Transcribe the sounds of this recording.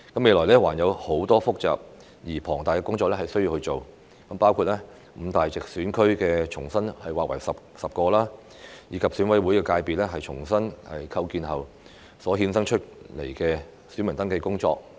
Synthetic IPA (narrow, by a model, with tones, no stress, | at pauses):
kɐ˨˥me˨˧jlɔː˨˩jlɛː˥waː˨˩njɐ˨˧who˨˥wt̪ɔː˥fʊ˥k̚t͡sa̰ː˨p̚ | jiː˨˩pʰɔː˨˩ŋt̪aː˨jkɛ˧˥kʊ˥ŋt͡ʃɔː˧k̚lɛ˥hɐ˨jsɵ˥ji˧whɵ˧ɥt͡so˨w | kɐ˨˥mpaː˥wkʰuː˨˧t̚ɛ˥ | m̩˨˧t̪aː˨jt͡sɪ˨k̚syː˨˥nkʰɵ˥ɥkɛː˧t͡ʃʰʊ˨˩ŋsɐ˥nhɐ˨jwaː˨k̚wɐ˨˩jsɐ˨p̚ | sɐ˨p̚kɔː˧laː˥ | jiː˨˧kʰɐ˨p̚syː˨˥nwɐ˨˥jwu˨˥jkɛː˧kaː˧jpiː˨t̚lɛ˥ɦɐ˨jt͡ʃʰʊ˨˩ŋsɐ˥nhɐ̰˨jkʰɐ˧wkiː˨nɦɐ˨w | sɔː˨˥ɦiː˧nsɐ˥ŋt͡ʃʰɵ˥t̚lḛ˨˩jkɛː˧ | sy˨˥mɐ˨˩nt̪ɐ˥ŋkɛː˧kʊ˥ŋt͡ʃɔ̰ː˧k̚